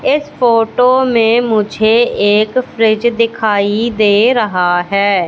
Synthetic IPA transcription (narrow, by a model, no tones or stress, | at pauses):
ɪspʰoːʈoːmẽmʊd͡ʒʱeeːkpʰɾɪd͡ʒd̪ɪkʰaːid̪eːɾəɦaɦɛː